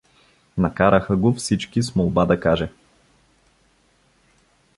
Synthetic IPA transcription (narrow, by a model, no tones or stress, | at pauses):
nɐkaɾəxəɡofsit͡ʃkismolˠbad̪ɐkaʒɛ